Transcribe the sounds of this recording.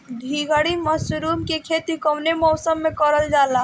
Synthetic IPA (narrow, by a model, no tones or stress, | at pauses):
d̪ʱiɡəɽiməsuɾumkekʰet̪ikɔwnemɔwsəmːekɔɾəld͡ʒala